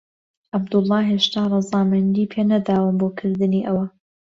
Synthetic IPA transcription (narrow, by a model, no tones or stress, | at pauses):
ʔabd̪ʊlˠˤːɑːɦeːʃt̪ʰaːrˤɑzˤɑːmɐnd̪iːpʰenɐd̪aːwɨnboːkʰɨɾd̪ɨniːʔɐwɐ